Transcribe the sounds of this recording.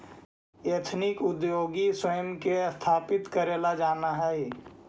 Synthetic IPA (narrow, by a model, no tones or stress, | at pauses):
et̪ʰnɪkʊd̪joːɡiswəjəmkest̪ʰaːpɪt̪kəɾeːlad͡ʒaːnaɦɛe